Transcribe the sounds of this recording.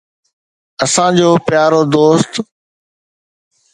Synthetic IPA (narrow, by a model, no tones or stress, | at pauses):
əsãːd͡ʑoːpɪjaːɾoːd̪oːst̪